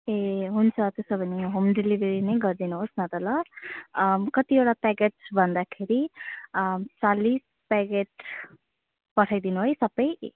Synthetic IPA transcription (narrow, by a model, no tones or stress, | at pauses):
eɦunt͡sʰʌt̪esobʱʌniɦomɖilibʱeɾinʌjɡʌrd̪inuɦosnʌt̪ʌlʌ | kʌt̪ieʈapaɡeʈbʱʌnd̪akʰeɾi | t͡salis | paɡeʈ̚ | pʌʈʰajd̪inuɦojsʌbʌj